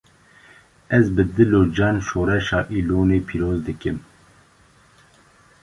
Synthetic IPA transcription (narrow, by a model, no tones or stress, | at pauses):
ɛzbɨd̪ɨloːd͡ʒɑːnʃoːɾɛʃɑːʔiloːneːpʰiːɾoːzd̪ɨkɨm